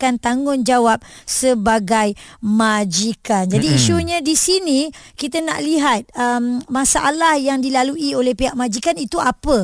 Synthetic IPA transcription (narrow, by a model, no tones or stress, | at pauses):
kant̪aŋʊnd͡ʒawap̚səbaɡajmad͡ʒikand͡ʒadiːʃuɲãdisinĩkit̪ana̰ʔliɦat̪̚əmmãsaʔalahjaŋdilaluʔiolehpiɦaʔmãd͡ʒikanit̪uapə